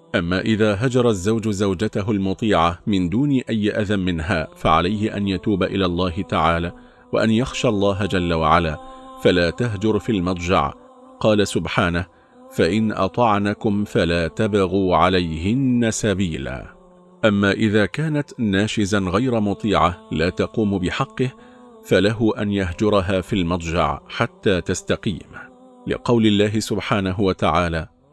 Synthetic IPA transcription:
ʔamːaːʔɪðaːɦad͡ʒɑɾˤɑzːawd͡ʒzawd͡ʒat̪aɦʊlmʊt̪ˤiːʕamɪnd̪uːnɪʔajːɪʔaðamɪnɦaːfaʕalajhɪʔa̰njat̪uːbaʔɪlaːlˤːɑːɦɪt̪aʕaːlaː | waʔanjaxʃalˤːɑːɦd͡ʒalːawaʕalaːfalaːt̪aɦd͡ʒʊɾfiːlmɑt̪ˤd͡ʒɑ̰ʕ | qɑːlasʊbħaːnah | faʔɪnʔɑ̰t̪ˤɑʕnakʊmfalaːt̪abɑɣuːʕalajhɪnːasabiːla̰ː | ʔamːaːʔɪðaːkaːnat̪naːʃɪzaɣajɾamʊt̪ˤiːʕalaːt̪ɑquːmbɪħɑqːɨh | falaɦʊʔanjaɦd͡ʒʊɾˤɑɦaːfilmɑt̪ˤd͡ʒɑ̰ʕħat̪ːaːt̪ast̪aqḭːm | lɪ̰qɑwlɪlːaːɦɪsʊbħaːnaɦʊwat̪aʕaːlaː

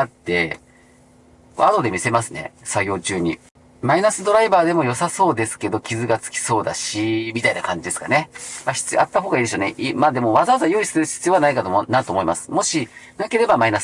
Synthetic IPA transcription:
at̪ːe̞ | ko̰ad̪o̞d̪e̞mʲise̞masɨne̞̰saɡjo̞ːt͡ɕɨːɲ̟ḭ | mainasɨd̪o̞ɾaibaːd̪e̞mo̞jo̞saso̞ːd̪e̞sɨ̥ke̞d̪o̞kʲizɨɡat͡sɨ̥kʲi̥so̞ːd̪a̰ɕimʲit̪ainakãɲ̟d͡ʑid̪e̞sɨ̥ka̰ne̞maçi̥t͡sɨat̪ːaɦo̞ːɡaid̪eɕoːneʔimaːd̪e̞mo̞βazaβazajoːisɨɾɯ̟ɕi̥t͡sɨjoβanaikat̪omnãt̪oːmo̞imasɨ̥mo̞ɕinake̞ɾe̞bamainas

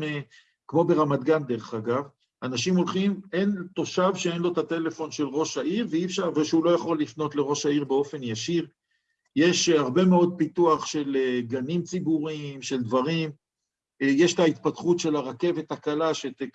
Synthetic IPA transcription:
kmo̞be̞ʁamad̪ɡand̪e̞ʁeχaɡav | anaʃimo̞lχime̞nt̪o̞ʃavʃeenlo̞t̪at̪e̞le̞fo̞nʃe̞lʁo̞ʃaʔiʁveifʃaʁveʃeulo̞jaχo̞lːifno̞t̪le̞ʁo̞ʃaiʁbe̞o̞fe̞njaʃiʁ | jeʃaʁbe̞meo̞d̪̚pit̪uaχʃe̞leɡanimt͡sibuʁimʃe̞ld̪vaʁim | jeʃt̪ait̪̚pat̪χut̪ʃe̞laʁake̞ve̞t̪akalaʃet̪

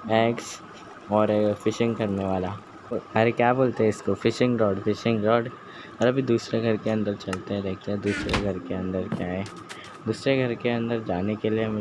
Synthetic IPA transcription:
ɛːks | ɔːɾfɪʃɪ̃ŋɡkɐɾneʋaːla | ɐɾekjaːboːlt̪eɦɛɪskofɪʃɪ̃ŋɡɾɔːɖfɪʃɪ̃ŋɡɾɔːɖ | ɔːɾɐbʱid̪uːsɾeɡʱɐɾkeɐ̃nd̪əɾt͡ʃɐlt̪eɦɛ̃ɾɛɦk̚ʰt̪eɦɛ̃d̪uːsɾeɡʱɐɾkeɐ̃nd̪əɾkjaːɦɛː | d̪uːsɾeɡʱɐɾkeɐ̃nd̪əɾd͡ʒaːnekelieɦm

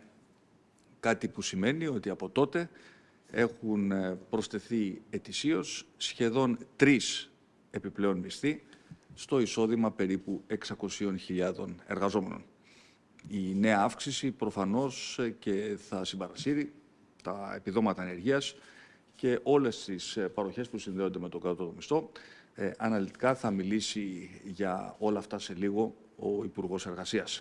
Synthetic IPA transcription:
kɐt̪ipusime̞nio̞t̪iɐpo̞t̪o̞t̪e̞ | e̞xunpɾo̞st̪e̞θie̞t̪isio̞sːçe̞ðo̞nt̪ɾis | e̞piple̞o̞nmist̪ist̪o̞iso̞ðimɐpe̞ɾipue̞ksɐko̞sio̞nçiʎɐðo̞ne̞̰ɾɣɐzo̞me̞̰no̞̰n | ine̞ɐɐfksisipɾo̞fɐno̞sce̞θɐsimbɐɾɐsiɾi | t̪ɐ̰e̞̰piðo̞mɐt̪ɐene̞ɾʝiɐs | ce̞ʔo̞le̞st̪ispɐɾo̞çe̞spusinðe̞o̞nd̪e̞me̞t̪o̞ɡɐt̪o̞t̪omist̪o̞ | ɐnɐlit̪i̥kɐθɐmilisiʝɐo̞lɐːft̪ɐse̞liɣo̞ | oipuɾɣo̞se̞ɾɣɐsiɐs

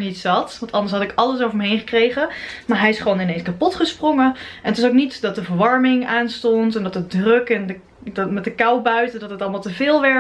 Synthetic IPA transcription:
nitsɑtʋɑ̃ntʰɑndəsɦɑtɪkɑləsowvəɹməɦejnχə̥krejχəmaːɹɦɛjɪsχʋownɪnejnskapɔtχəsproŋəɛ̰nətɪs̬owknitdɑt̚dəvəɹʋɑɹmɪŋaːnstɔntɛndɑtədrɵkɛndə | dtmɛt̚dəkɑwbœɥtədɑtɦətɑlˠmalˠtəvɪːlˠʋɛ

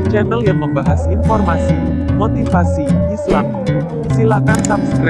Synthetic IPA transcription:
t͡ʃɛnəljaŋməmbaɦasinfɔrmasi | mot̪ifasiisla̰m | silakansap̚stɾɛ

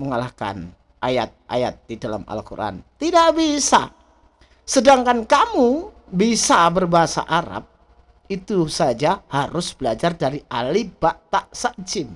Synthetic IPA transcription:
məŋalahka̰n | ʔajat̪̚ʔa̰jat̪̚didala̰ma̰lkṵɾʔa̰nt̪idaʔbisa̰ | sədaŋkankamu | bisabərbaɦasa̰ʔaɾa̰p̚ | it̪usad͡ʒahaɾʊsb̥əlad͡ʒardaɾiʔalibaʔt̪aʔsaʔd͡ʒɪm

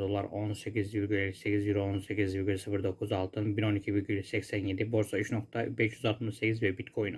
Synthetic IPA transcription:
d̪o̞lˠaɾo̞nse̞cʰizvilʲɡylʲelʲise̞cizjyɾo̞nse̞cʰʲizviɡylʲsɯfɯɾd̪o̞kʰuzalˠt̪ʰɯnbino̞nicʰivilʲɟʲylʲɛsɛcsænje̞d̪ibo̞ɾsaiʃno̞kt̪ʰabɛʃjyzalˠt̪mɯʃse̞cʰizvɛbit̪kʰo̞jn

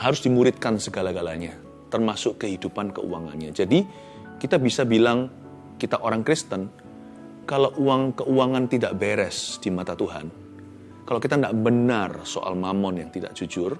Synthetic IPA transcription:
haɾʊsdimuɾɪt̪̚kansəɡalaɡalaɲa | t̪ərmasʊʔkəhidupankə̰ṵaŋa̰nɲad͡ʒadi | kit̪abisabilaŋ | kit̪aʔoɾaŋkɾist̪ən | kalawʔuaŋkəʔuaŋant̪idaʔbeɾɛsd̥imat̪at̪uɦa̰n | kalowkit̪andaʔbənarso̰ʔa̰lmamɔnjaŋt̪ida̰ʔd͡ʒ̥ud͡ʒʊr

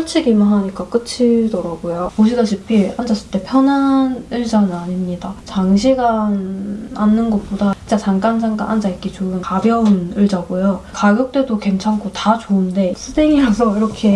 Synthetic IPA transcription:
ɯt͡ɕʰiɡimɯnɦaɲik͈ak͈ɯt͡ɕʰiɭdoɾaɡojopoɕ̬ʰiɡaɕʰipʰihand͡ʑas͈ɯɭt͈e̞pʰjʌnɦanɯɭd͡ʑanɯnaɲimɲidat͡ɕaŋɕʰiɡananːɯnɡʌt̚p͈odait͡ɕ͈at͡ɕaŋk͈and͡ʑʰaŋk͈a̰nhand͡ʑaik͈et͡ɕoɡɯnkabjʌunɯɭd͡ʑaɡojokaɡjʌk̚t͈we̞doke̞nt͡ɕʰankʰotat͡ɕoɯnde̞sʰɯdeŋiɾasʰʌiɾʌkʰe̞

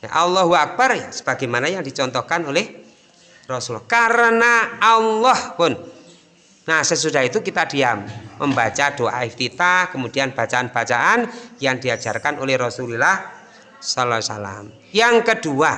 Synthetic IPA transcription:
n̰ʔalːɔɦuak̚barsə̥b̥a̤ɡamanajaŋdit͡ʃɔnt̪ɔhkanolɛh | rɔsulhkaɾənaalːɔhpʊnː | asəs̬ud̥a̤hit̪ukit̪ad̥iamːəmbat͡ʃad̥oaʔaift̪it̪akəmud̥ianb̥a̤t͡ʃaanb̥a̤t͡ʃaʔanjaŋd̥iḁd͡ʒ̥arkanʔolɛhrɔsulilah | sɔlɔsa̰la̰m | jaŋkəd̥ua

